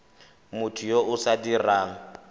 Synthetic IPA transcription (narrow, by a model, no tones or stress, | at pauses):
mʊtʰʊjoʔʊsadiraːŋ̩